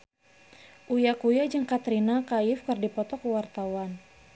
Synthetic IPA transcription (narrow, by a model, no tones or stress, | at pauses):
ʔujakujad͡ʒəŋkat̪ɾinakaɪfkɨrdipɔt̪ɔkəwart̪awan